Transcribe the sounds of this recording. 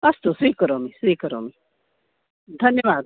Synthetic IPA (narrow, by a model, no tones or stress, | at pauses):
ɐst̪osiːkɐɾoːmisiːkəɾomi | d̪ʱɐnjɐʋaːd̪